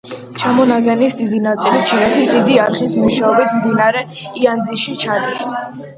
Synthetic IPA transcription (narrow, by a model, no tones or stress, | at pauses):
t͡ʃʰamɔnaɡɛnisd̪id̪inat̪sʼilit͡ʃʰinɛt̪ʰisd̪id̪iaɾχismuʃaɔbit̪ʰmd̪inaɾɛiand̪ziʃit͡ʃʰad̪is